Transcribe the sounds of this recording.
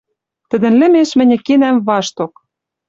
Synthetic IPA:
t̪ɘ̆d̪ɘ̆nlɘ̆meʃmɘ̆nʲɘ̆kenæmβɑʃt̪ok̚

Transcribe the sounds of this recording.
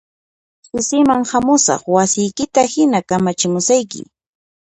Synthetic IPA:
sʊsɪmaŋhamʊsɑ̰χwasɪjkɪt̪ahɪnakamat͡ʃɪmʊsajkɪ̰

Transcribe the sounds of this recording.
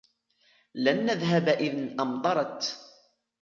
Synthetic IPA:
lanːaðɦabʔɪðnʔamd̪ˤɑɾˤɑt̪

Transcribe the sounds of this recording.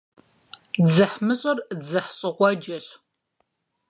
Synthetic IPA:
d͡zɨħmɨɕʼɐrd͡zɨħɕʼɨqʷɔd͡ʒɐɬ

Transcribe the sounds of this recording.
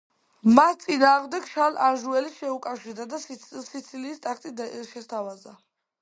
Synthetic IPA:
mast̪sʼinaːʁmd̪ɛɡʃalaɾʒuɛliʃɛukʼafʃiɾd̪ad̪asit̪sʰiliːst̪ʼakʰt̪ʼid̪ʃɛst̪ʰavaza

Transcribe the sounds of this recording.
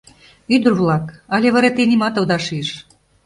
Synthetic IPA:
yd̪ə̆rβlˠɑkɑlʲeβɑɾet̪inʲimɑt̪ɤ̆d̪ɑʃiʃ

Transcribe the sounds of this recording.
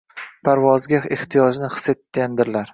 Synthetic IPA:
pʰaɾvɒzɡʲaeht̪ʰijɒd͡ʒnɪχɨ̥set̪ːʲand̪ɪɾlaɾ

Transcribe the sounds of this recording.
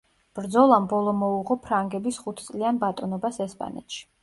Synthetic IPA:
b̥ɾd̪zɔlˠambɔlˠɔmɔuʁɔpʰɾaŋɡɛbisχut̪ʰt̪sʼlianbat̪ʼɔnɔbasɛspʼa̰nɛ̰t̪ʰʃi̥

